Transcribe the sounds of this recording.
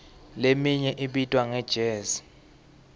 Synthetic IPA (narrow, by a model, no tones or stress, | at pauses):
lemiɲɛʔiɓitʼwaŋɛd̥ʒ̥ʱeːzi̥